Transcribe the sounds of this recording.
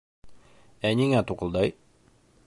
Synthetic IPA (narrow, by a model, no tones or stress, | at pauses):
æniŋæt̪uqɤ̆lˠd̪ɑj